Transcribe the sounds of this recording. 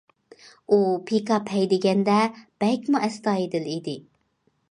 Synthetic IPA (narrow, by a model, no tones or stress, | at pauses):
upʰikʰɑpʰɛjd̪ɪɡʲɛnd̪ɛb̥ɛlkʲmuʔɛst̪ɑːid̪ɪlid̪ɪ